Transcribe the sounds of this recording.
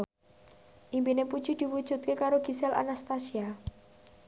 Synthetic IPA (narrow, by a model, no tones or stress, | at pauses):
ʔimbinepud̥ʒ̥id̪̥i̤wud̥ʒ̥ṳt̪̚kekaɾoɡ̥isɛlʔa̰nast̪asia